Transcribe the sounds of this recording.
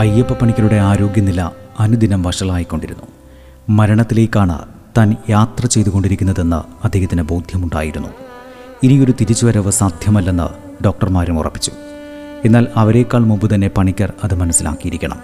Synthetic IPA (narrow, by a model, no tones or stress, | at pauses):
ɐjepːɨpːɐɳikʲːɐɾuɽe̞aːɾo̞ːɡʲjɐnilːɐɐnud̪inɐmʋɐʂɐɭaːjikːo̞ɳɖiɾunːu | mɐɾɐɳɐt̪ːile̞ːkʲːaːɳɨ̰ | t̪aːnjaːt̪rɐt͡ɕe̞jt̪uɣo̞ɳɖiɾikʲːunːɐðe̞nːɨ̰ɐd̪ʱːeːhɐt̪ːinebowd̪ʱjɐmuɳɖa̰ːjiɾunːṵ | inijo̞ɾut̪iɾit͡ɕːuʋɐɾɐʋɨsaːd̪ʱjɐmɐlːenːɨ̰ | ɖo̞ːk̚ʈɐrmaːɾumurɐ̰pːi̥t͡ɕːu̥ | e̞nːaːlɐʋɐɾe̞kːaːɭmumbɨt̪ɐnːe̞pɐɳikʲːɐrɐðɨmɐnɐsːila̰ːkːijiɾikʲːɐɳɐ̰m